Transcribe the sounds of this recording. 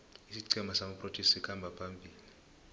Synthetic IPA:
isiǀɛmasamapʼrotʰɛssikʰambʱapʰambʱiːli

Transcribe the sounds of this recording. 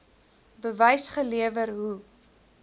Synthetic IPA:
bəvɛjsχəliəvəɾɦu

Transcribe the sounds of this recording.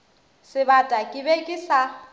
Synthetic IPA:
sɪβatʼakʼɪbekʼɪsa

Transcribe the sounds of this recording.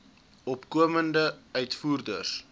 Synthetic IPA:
ɔpkuəməndəœɥtfuːrdə̰rs

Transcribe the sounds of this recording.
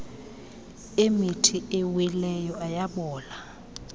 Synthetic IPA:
emitʰiʔɛwɛlɛjɔajaɓɔːla

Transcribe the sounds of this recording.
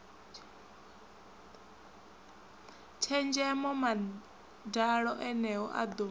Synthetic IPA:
t͡ʃʰɛnd͡ʒɛmɔma | daɺɔʔɛnɛɔ̰ʔa̰d̪o

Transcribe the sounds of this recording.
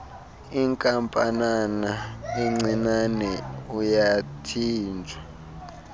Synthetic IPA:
iŋkʼampʼananaɛŋ͡ǀinanɛujatʰiːnd͡ʒʱa

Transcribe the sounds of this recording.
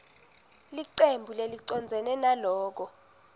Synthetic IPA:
liǀembʱuleliǀɔnd͡zʱɛnɛnalɔːk̬ɔ

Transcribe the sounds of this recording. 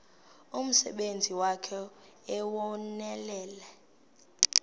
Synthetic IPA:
um̩sɛ̰ɓend͡zʱiwakʰɛ | ɛwɔnɛlɛːlɛ

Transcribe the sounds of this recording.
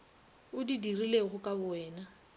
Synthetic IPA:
ʊdidirileɣʊkʼabʊɛːna

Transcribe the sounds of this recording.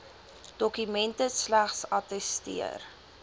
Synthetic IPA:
d̥ɔkymɛntəslæχsɐtɛstḭə̰r

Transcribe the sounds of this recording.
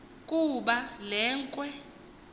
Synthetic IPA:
kʼuɓalɛːŋkʼwɛ

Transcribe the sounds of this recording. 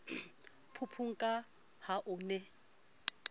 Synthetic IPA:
pʰupʰuŋ̩kʼa | haʔʊnɛ

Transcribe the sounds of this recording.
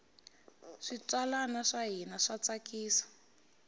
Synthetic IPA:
ʂit͡swalanaʂaɦinaʂat͡sakiːsḁ

